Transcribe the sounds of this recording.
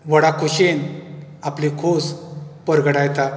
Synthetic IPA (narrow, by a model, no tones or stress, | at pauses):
ʋəɽakʰoɕenaplikʰospəɾɡəɽajt̪a